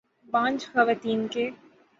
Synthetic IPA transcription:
bãːnt͡ʃxɐʋaːt̪iːnke

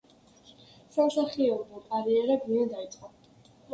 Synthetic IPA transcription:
samsaχiɛbulˠkʼaɾiɛɾɛbniɛd̪ait̪sʼqʼɔ

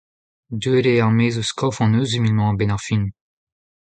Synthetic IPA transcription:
d̪øleaʁmeːzuskʰɔfɑ̃nøːzymilmɑ̃bɛnaʁfin

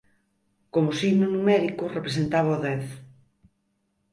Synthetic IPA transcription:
komʊsiɣnonumɛɾikʊrepɾes̬ent̪aβaoðɛθ

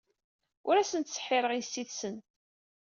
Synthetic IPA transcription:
ʊɾæsənt̪sə̥ħːɪɾˤəʁisːiðsən

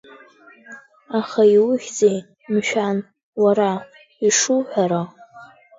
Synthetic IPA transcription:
aχaiwʊʒʲd͡zej | mʃᶣan | waɾa | iʂuħʷᶣaɾa

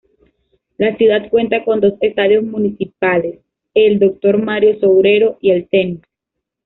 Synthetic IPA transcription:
lasjuðat̪̚kwe̞nt̪ako̞nd̪o̞sest̪að̞jo̞zmũnisipales | e̞ld̪o̞k̚t̪o̞ɾmaɾjo̞sowɾe̞ɾo̞ʔielsent̪

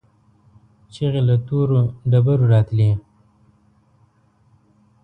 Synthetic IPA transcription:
t͡ʃiɣelat̪uɾoɖabaɾuɾɑːt̪li

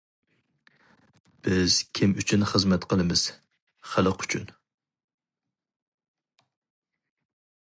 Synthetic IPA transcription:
b̥ɪz̥kʲʰimyt͡ʃʰynχəzmɛt̪qʰəlˠɨmɨz̥ | χælˠəqʰy̥t͡ʃʰyn

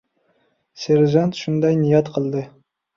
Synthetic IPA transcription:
seɾʒɑnt̪ʃund̪ɑjnijɑt̪qʰəlˠd̪ɨ

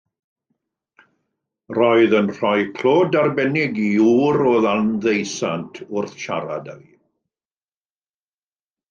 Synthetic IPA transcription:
rɔɨðənr̥ɔjkʰl̥oːdarbɛnɪɡiuːɾɔðalnðejsantʰʊrθʃa̰ɾa̰da̰vi

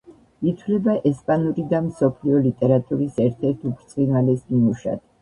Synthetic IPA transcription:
it̪ʰwlɛbaʔɛspʼanuɾid̪amsɔpʰliɔlit̪ʼɛɾat̪ʼuɾisɛɾt̪ʰɛɾt̪ʰupʰɾt̪sʼinalɛsmimuʃa̰d̪

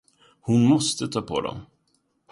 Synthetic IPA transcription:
hʊnmɔst̪ət̪ʰɑːpʰɔ̰d̪ɔ̰m

